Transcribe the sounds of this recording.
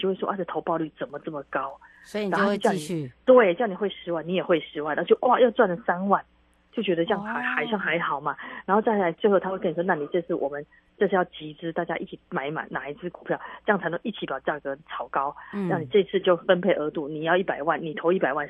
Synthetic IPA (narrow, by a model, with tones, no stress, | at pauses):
i˨t͡ɕo˥˧we˥˩wɔ̰˥ʔa˥˧˩ʈ͡ʂɤ˥˩t̪ʰo˧˥ʊpɑ˥˧ʊly˥˩t͡sə˨˩nmə˦t͡sə˥˩mə˩kɑ˥ʊ | a˨˥xo˥˧˥t͡ɕjɑ˥˩ʊni˨˩t̪we˥˩ɪ˥˩ʊni˨˩we˥˩ɪʂɻ̩˧˥wa˥˩ni˧˦jɛ˨˩xwe˥˩ɪʂɻ̩˧˥wa˥˧na˥˧ʊt͡ɕo˥˩ʔwʔa˥˨jɑ˥˧ʊt͡swa˥˩nlə˩sa˥nwa˥˩n | t͡ɕjo˥˩ʊt͡ɕɥɛ˧˥d̪ə˧ʈ͡ʂɤ˥jɑ˥˩ŋa˨˧˦xa˨˩ɪʂɑ˥˩ŋxa˧˥ɪxɑ˨˩ʊma˦na˨˥nxo˥˧ʊt͡sa˥˩ɪla˧˥ɪt͡ɕo˥˧xt̪ʰwkn˨˩wna˥˩ni˨˩ʈ͡ʂɤ˥˧ʂʰɻ̩˥˩wɔ˨˩mə˨˦n | ʈ͡ʂʂ̩ʰ˥˧jɑ˥˩ʊt͡ɕi˧˥ʈ͡ʂɻ̩˥t̪a˥˩t͡ɕja̰˥ʔi˥˩t͡ɕʰi˨˩ma˨˧˥ɪma̰˨˦ɪna˨˩i˧˥t͡sʰɹ̩˥˩ku˨˩pʰjɑ˥˩ʊʈ͡ʂɤ˥jŋt͡sʰa˧˥t̪ə˧˥ŋʔi˥˩t͡ɕʰi˨˩pjɑ˨˩ʊt͡ɕja˥˩kɤ˧˥t͡sʰɑ˨˩ʊkɑ˥ʊna˥˩ŋni˨˩ʈ͡ʂɤ˥˧i˥t͡sʰɹ̩˥˧t͡ɕjo˥˩ʊfə˦npʰe˥˩ɪʔə˧˥t̪u˥˩ni˨˩jɑ˥˧ʊi˥˩pa˨˩ɪwa˥˩nni˨˩t̪ʰo˧˥ʊi˥˩pa˨˩ɪwa˥˧n